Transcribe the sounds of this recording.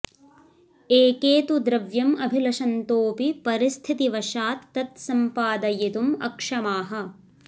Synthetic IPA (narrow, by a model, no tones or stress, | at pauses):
eːkeːt̪ud̪ɾɐʋjɐmɐbʱilɐʃɐnt̪oːpipɐɾist̪ʰit̪iʋɐʃaːt̪ːɐt̪sɐmpaːd̪ɐjit̪umɐ̰kʂɐmaːɦɐ